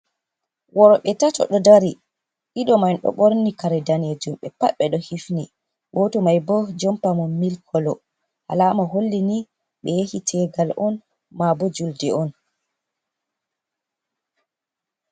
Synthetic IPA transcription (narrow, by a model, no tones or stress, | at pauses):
wɔɾɔɓɛtatɔ̰ɗɔdaɾi | ʔiɗɔmanɗɔ̰ɓɔɾnikaɾɛdaned͡ʒumɓɛpaɓɛɗɔhifni | wɔtɔmajbɔd͡ʒɔmpamɔmilkʰɔlɔ | ha̰lamaɦolːini | ɓɛjehitʰɛɡalʔɔn | mabɔd͡ʒuldɛɔn